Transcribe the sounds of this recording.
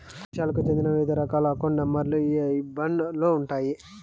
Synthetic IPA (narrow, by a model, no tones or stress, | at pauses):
ʃjaːlɐkut͡ʃend̪inɐʋed̪ɐɾɐkaːlɐkoɳɖɐmːɐɾlubɐɳɖloːuɳʈaːji